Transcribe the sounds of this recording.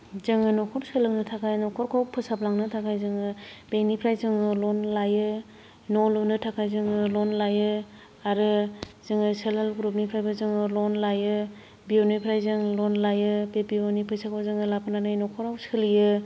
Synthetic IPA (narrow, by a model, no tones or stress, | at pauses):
zɯŋɯnɔkʰɔɾsɯlɯŋnɯtʰakʰajnɔkʰɔɾkʰawpʰɯsap̚laŋnɯtʰakʰajzɯŋɯbenipʰɾajzɯŋɯlɔnlajɯ | nɔlɔnɯtʰakʰajzɯŋɯlɔnlajɯ | aɾɯzɯŋɯselhalɡuɾɔp̚nipʰɾajbazɯŋɯlɔnlajɯ | bionijpʰɾajzɯŋlɔnlajɯbebionipʰɾajsakʰazɯŋɯlapʰɯnanɯjnɔkʰɔɾawsɯlijɯ